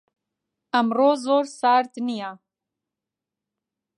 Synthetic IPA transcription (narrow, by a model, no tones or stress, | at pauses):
ɐmroːzoːɾsaːɾt̪nijaː